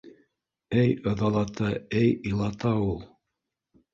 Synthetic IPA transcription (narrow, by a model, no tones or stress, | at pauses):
ɘjɤ̆ðɑlˠɑt̪ɑɘjilˠɑt̪ɑulˠ